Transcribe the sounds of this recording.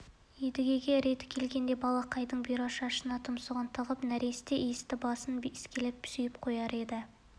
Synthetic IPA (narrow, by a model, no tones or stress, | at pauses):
ed̪ɪɡʲe̞ɡʲe̞ɾe̞t̪ɪ̥kʲʰe̞lɡʲe̞nd̪e̞bɑlˠɑqʰɑjd̪əɴbijɾoʃɑʃənɑt̪ʰʊmsuʁɑnt̪ʰəʁəpnæɾest̪eʔest̪ɪbɑsənbɪskʲʰelep̚pʏ̥sejɪpqʰo̞jɑɾe̞d̪ɪ